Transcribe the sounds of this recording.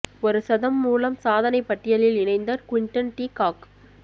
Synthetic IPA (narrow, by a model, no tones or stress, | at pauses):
ɔɾɯsɐðɐmːuːlɐmsaːðɐnɐɪpːɐʈːɪjɐlɪlɪɳɐɪnd̪ɐɾkʊɪɳʈɐnʈiːkaːk